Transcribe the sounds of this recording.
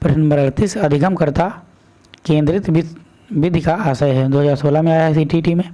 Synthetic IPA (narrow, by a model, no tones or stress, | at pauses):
pɪɾnɐ̃mbəɾɐɽt̪isɐd̪ʱɪkəmkɐɾt̪a | kẽːnd̪ɾɪt̪ | ʋɪd̪ʱkaaːsajɦɛd̪oːɦəzaːɾsoːlamẽaːjas̬iʈiːʈimẽː